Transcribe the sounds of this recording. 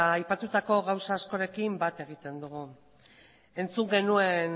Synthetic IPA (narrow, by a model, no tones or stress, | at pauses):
ajpat̪ut̪ako̞ɣawsaːsko̞ɾe̞kimbat̪e̞ɣ̞it̪e̞nd̪uɣu | e̞nt͡suŋɡe̞nue̞n